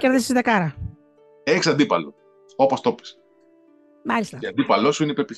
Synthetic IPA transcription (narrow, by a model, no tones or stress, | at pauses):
ceɾðesizðɐkɐɾɐ | eçisɐnd̪ipɐ̰lo̰ | o̞post̪o̞pi̥s | mɐlist̪ɐeɐnd̪ipɐlosuineipeɾpis